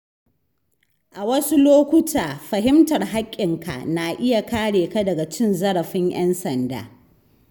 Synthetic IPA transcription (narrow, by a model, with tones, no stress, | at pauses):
ʔa˨wɐ˦su˦loː˦kʷʊ˦tʰaː˨ɸɐ˨ɦɪ˦mtɐ˨rɦa˦kʲʼːɪ˨ŋka̰˨na˨ʔɪ˦ja˨kaː˦ɽeː˨ka˦dɐ˨ɡa˨t͡ʃɪ˦nzɐ˦ɽɐ˨ɸɪ˦ɲʔj̰ɛ˦nsɐ˨nda̰ː˨˦